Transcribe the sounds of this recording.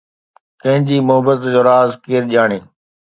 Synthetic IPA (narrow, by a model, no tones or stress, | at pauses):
kɐ̃ɦɪ̃ɲd͡ʑiːmʊɦəbət̪d͡ʑoːɾaːzkeːɾʄaːɽ̃eː